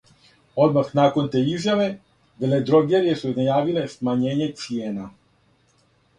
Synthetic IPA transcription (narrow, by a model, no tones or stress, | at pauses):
o̞d̪maxnaːkont̪eːizjaʋe̞ | ʋeled̪ɾoɡeɾijesunajaːʋilesmaɲeːɲet̪sijeːna